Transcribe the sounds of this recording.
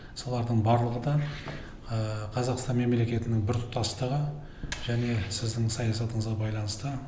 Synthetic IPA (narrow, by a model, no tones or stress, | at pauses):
so̞lˠɑɾd̪əɴbɑɾlˠəʁəd̪ɑ | əqʰɑzɑqst̪ɑnme̞mle̞kʲe̞t̪ɪnɪŋbɪɾt̪ʰʊ̥t̪ːɑst̪əʁə | ʒ̥æne̞sɪzd̪ɪŋsɑjɑsɑt̪əɴəzʁɑbɑjlˠɑnəst̪ə